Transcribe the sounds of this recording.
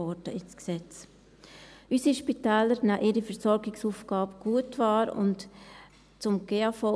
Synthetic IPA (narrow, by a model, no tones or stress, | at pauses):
ɔdəɪsksɛt͡s | ʔysiʃpitɛːləɾnaʔɪɾifəɾsɔɾɡɪksuːfɡ̥ɑːbɡ̥uətʋɑːɾʊ̰nt | t͡sʊmɡ̥eːafɔ